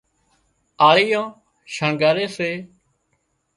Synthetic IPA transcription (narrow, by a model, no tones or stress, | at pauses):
aːɭiːãː | ʃãːɡaːɾeːseː